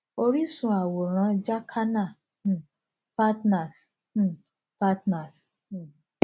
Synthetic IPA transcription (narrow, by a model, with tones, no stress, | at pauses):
o˦ɾi˦sũ˨a˨wo˨ɾ̃ã˨˦d͡ʒa˦kʰa˦nã˦˨ | pa˦tna˨s | pa˦tna˨s